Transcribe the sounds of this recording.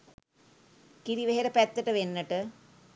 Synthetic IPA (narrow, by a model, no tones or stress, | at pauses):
kiɾiʋeɦeɾəpæt̪ːəʈəʋenːəʈə